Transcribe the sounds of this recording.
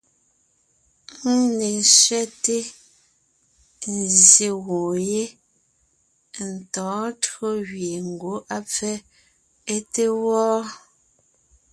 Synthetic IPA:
ŋ̩˦ne˨n˨sɥɛ˦te˦ | n̩˨zje˨ɣõ˨je˦ | n̩˨tɔ̃ː˨˦tɰo˦ɣɥe˨ŋ̩˨ɡo˨˦ʔa˦p͡fɛ˦ | e˦te˦wɔː˦

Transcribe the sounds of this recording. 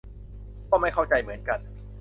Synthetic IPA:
k̪ɔː˥˩ma˥˩jkʰa˥˩wt͡ɕa˧jmɯ˩˦ənka˧n

